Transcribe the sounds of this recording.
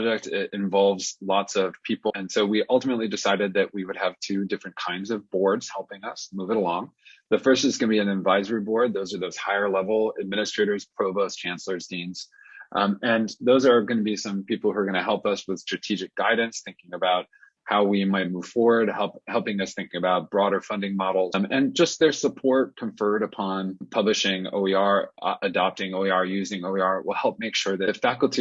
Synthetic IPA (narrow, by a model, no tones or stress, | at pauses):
d͡ʒɛk̚tɪɾɪ̃ɱvɑlˠvzlɔtsʌv̥pʰipl̩ˠɨ̃nsoʊwiʔʌlˠtəmətˡlidɨsaɪɾɨd̪̚ðɨʔ̚wiwɨɾɨv̥tʰʉdɪfɹɨ̃nkʰãɪ̃ndzʌvbɔɹdz̥hɛlˠpɪ̃ŋʌsmuvɪ̃lɔ̃ŋðɨfɜ˞stɨzɡʌnɨbiɨ̃nɨdvaɪzə˞ibɔɹd̪̚ðoʊzə˞ðoʊz̥haɪə˞lɛvl̩ˠɨd̚mɪ̃nɨstɹ̥eɪɾə˞z̥pʰɹ̥oʊboʊst͡ʃʰæ̃nslə˞zdĩnz̥ | ʔɨ̃nðoʊzə˞ɡʌnɨbisʌ̃mpʰipl̩ˠhuə˞ɡʌñɨɦɛlˠpʌswɨð̥stɹ̥ɨtʰid͡ʒɨk̚ɡ̥aɪdⁿn̩sθɪ̃ŋkɪ̃ŋɨbaʊt̚ | haʊwimaɪt̚muv̥fɔɹwə˞d̚hɛlˠphɛlˠpɪ̃ŋʌsθɪ̃ŋkɪ̃ŋɨbaʊt̚b̥ɹɔɾə˞fʌ̃ndɪ̃ŋmɑɾl̩ˠz̥ɨ̃nd͡ʒʌst̪̚ðə˞səpʰɔɹt̚kʰɨ̃ɱfɜ˞ɾɨpʰɑ̃npʰʌblɨʃɪ̃ŋo̰ʊiəɹʔɨdɑp̚tɪ̃ŋoʊiəɹjʉzɪ̃ŋoʊiɑɹwɪ̰lˠhɛlˠp̚meɪkʃʊɹðɨfækl̩ˠtʰi